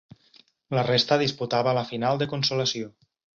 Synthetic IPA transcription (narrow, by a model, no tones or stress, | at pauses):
lərest̪əðisput̪aβələfinalˠd̪əkunsuləsio